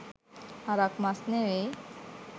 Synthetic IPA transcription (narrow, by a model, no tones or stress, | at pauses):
aɾakmasnewe